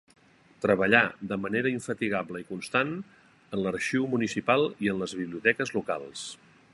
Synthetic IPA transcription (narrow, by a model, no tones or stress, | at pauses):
t̪ɾəβəʎad̪əməneɾəiɱfət̪iɣabləikunst̪an | ənləɾʃiwmunisipalˠiənləzβiβliut̪ɛkəzluka̰lˠs